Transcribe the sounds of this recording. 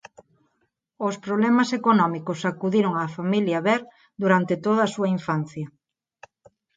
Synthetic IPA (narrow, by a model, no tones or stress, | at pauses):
ospɾoβlɛmɐsekonɔmikosakuðiɾoŋaːfamiljɐβɛɾ | d̪uɾant̪et̪oðɐːsuɐiɱfan̟θjɐ